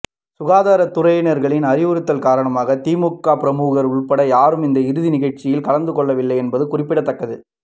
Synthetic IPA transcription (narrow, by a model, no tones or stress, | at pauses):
sʊɣaːðaːɾɐt̪ʊrɐjnɐɾɣɐɭɪnɐɾɪʋɯɾɯt̪ːɐlkaːɾɐɳɐmaːɣɐt̪iːmʊkːaːpɪɾɐmuːɣɐɾʊɭpɐɽɐjaːɾɯmɪnd̪ɐɪɾɯðɪnɪɣɐɻt͡ʃːɪjɪlkɐlɐnd̪ɯkɔɭːɐʋɪlːɐɪɛnbɐðɯkʊrɪpːɪɽɐt̪ːɐkːɐðɯ